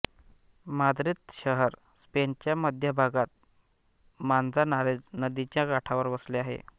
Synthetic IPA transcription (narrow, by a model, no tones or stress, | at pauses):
mad̪ɾit̪ɕəɦəɾ | spent͡ɕjaməd̪ʱjəbʱaɡat̪̚ | mand͡zanaɾed͡znəd̪it͡ɕjaɡaʈʰaʋəɾʋəsleaɦḛ